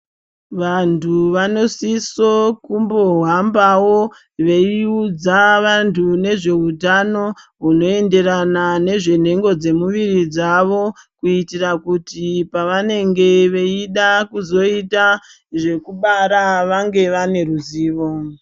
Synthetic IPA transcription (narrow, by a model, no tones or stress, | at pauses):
ʋantʰuʋano̞sisokumbo̞ɦambawo̞ | ʋe̞iud͡zaʋantʰune̞ʐe̞utano̞ɦuno̞e̞nde̞ranane̞ʐe̞n̤e̞ŋɡo̞d͡ze̞muʋirid͡zaʋo̞kuitirakutipaʋane̞ŋɡe̞ʋe̞iɗakuzo̞ita | ʐe̞kuɓaɾaʋaŋɡe̞ʋane̞ruziːʋo̞